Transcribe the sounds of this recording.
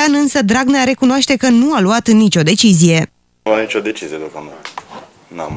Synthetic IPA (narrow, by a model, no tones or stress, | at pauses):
anɨnsəd̪ɾaɡneaɾe̞kunoaʃt̪e̞kənualuat̪nit͡ʃʲo̞d̪e̞t͡ʃizije̞ | anit͡ʃod̪e̞t͡ʃizijed̪ukəno | na̰